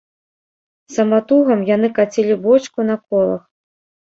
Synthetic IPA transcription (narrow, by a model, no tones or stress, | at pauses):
sɐmat̪uɣɐmjanɨkat͡sʲilʲibɔt͡ʂkunɐkɔlˠɐ̰x